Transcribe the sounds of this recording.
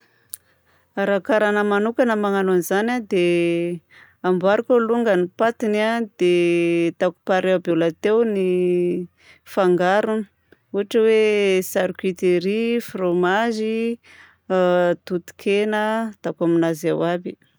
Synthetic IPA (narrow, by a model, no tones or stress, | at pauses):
aɾakaɾanəmanukanəmaŋanonizanad̪e | ambaɾukəluŋɡənipat̪inad̪̥et̪aku̥paɾewbolat̪ewni | faŋɡaɾuni̥ | uaʈ͡ʂəwesaɾkit̪eɾifromaʒi | t̪ut̪i̥kʰenət̪akaminaza̰wabi